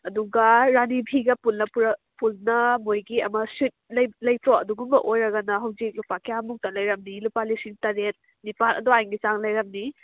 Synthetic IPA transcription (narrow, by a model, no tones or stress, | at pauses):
ɐduɡɐɾanibʱiɡɐpulnɐpuɾɐ | pulnɐmojɡiɐmɐsit̚lɐjlɐjtʰoɐ̰duɡumbɐʔojɾɐɡɐnɐɦɐwd͡ʒik̚lupakʰiamuk̚tɐlɐjɾɐmnilupalisiŋtɐɾet̚ | nipʰalɐ̰duajŋɡisaŋlɐjɾɐmni